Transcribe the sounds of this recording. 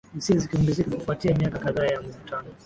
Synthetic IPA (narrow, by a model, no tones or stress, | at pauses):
isizikiumbizikakufuatiamiakakaðaːjamuvutʰanɔ